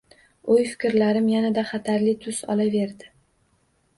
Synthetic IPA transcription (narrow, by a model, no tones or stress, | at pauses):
ojfɪ̥kʲɪɾlaɾɪmjanad̪aχɑt̪ʰaɾlɪt̪ʰʊsɒ̰lave̞ɾd̪ɪ